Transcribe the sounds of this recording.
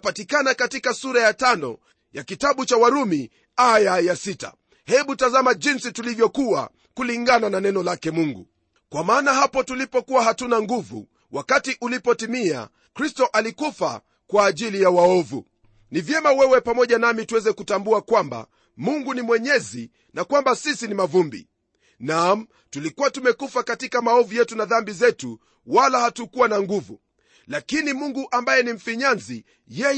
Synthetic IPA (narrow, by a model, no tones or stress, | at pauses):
patikanakatikasuɾajatanɔ̰ | jakitaɓut͡ʃawaɾumi | ajajasita̰ | hɛɓutazamaʄinsitulivjɔkuwa̰ | kuliŋɡanananɛnɔlakɛmuŋɡṵ | kwamaːnaɦapɔtulipɔkuwaɦatunaŋɡuvṵ | wakatiʔulipɔtimia̰ | kɾistɔʔalikufa̰ | kwaːʄilijawaɔvṵ | nivjɛmawɛwɛpamɔʄanamituwɛzɛkutambuakwamba̰ | muŋɡunimwɛɲɛzi | nakwambasisinimavumbḭ | nam̩ | tulikuwatumɛkufakatikamaɔvujɛtunaðambizɛtu | walahatukuwanaŋɡuvṵ | lakinimuŋɡuʔambajɛnim̩fiɲanzi | jɛ